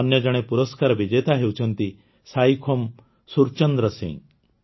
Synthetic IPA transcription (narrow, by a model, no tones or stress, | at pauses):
njʌd͡ʒɐɽ̃epuɾəskaɾbid͡ʒejt̪aɦewt͡ʃʰənt̪i | sajkʰom | suɾt͡ʃənd̪ɾəsḭ̃ŋɡ